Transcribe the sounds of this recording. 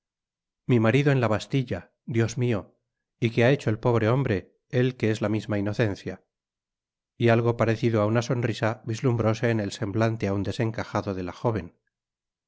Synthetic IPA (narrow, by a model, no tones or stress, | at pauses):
mimaɾiðo̞enlaβast̪iʎa | d̪jo̞zmio̞ | ikeae̞t͡ʃo̞e̞lpo̞β̞ɾe̞o̞mbɾe̞ | e̞lke̞e̞zlamizmaino̞θẽ̞nθja | ialɣ̞o̞paɾe̞θiðoaunaso̞nrisaβizlumbɾo̞se̞ːne̞lse̞mblant̪e̞aund̪e̞se̞ŋkaxaðo̞ðe̞laxo̞β̞e̞n